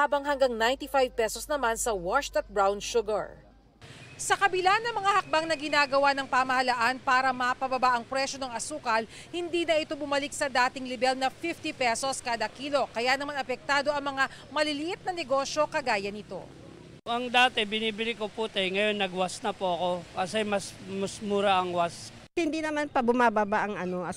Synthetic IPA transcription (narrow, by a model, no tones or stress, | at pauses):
haːbɐŋhɐŋɡaŋnajnt̪ifajv̚pɛsosnɐmansɐwaʃt̪ɐt̪̚bɹawnʃʊɡɐɹ | sɐkɐbɪlanːɐmɐŋahɐk̚baŋnɐɡɪnaːɡɐwanɐŋpamɐhɐlaʔanpaːɾɐmɐpɐbɐbaʔɐŋpɾɛʃo̞nɐŋɐsuːkɐl | hɪnd̪iːnɐʔɪt̪o̞bʊmɐlɪk̚sɐd̪aːt̪ɪŋlɪbɛlnɐfift̪ipɛso̞skaːd̪ɐkiːlo̞kɐjanɐmanɐpɛk̚t̪aːd̪o̞ʔɐŋmɐŋa | mɐlɪlɪʔɪt̪̚nɐnɛɡo̞ʃjo̞kɐɡaːjɐnɪt̪o̞̰ | ʔɐŋd̪aːt̪ɛbɪniːbɪlɪkoput̪ɐjŋɐjo̞nːɐɡwasnɐpoɐko̞pɐsɛjmɐsmɐsmuːɾaʔɐŋwas | hɪnd̪inɐmanpɐbʊmaːbabaʔɐŋɐno̞ɐ